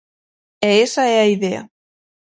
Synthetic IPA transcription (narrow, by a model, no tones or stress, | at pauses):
eesaeaiðea̰